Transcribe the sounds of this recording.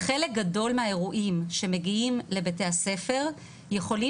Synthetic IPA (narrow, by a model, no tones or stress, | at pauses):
χe̞lek̚ɡado̞lmehae̞ʁuʔimʃe̞meɡiimle̞bete̞hase̞fe̞ʁ | je̞χo̞li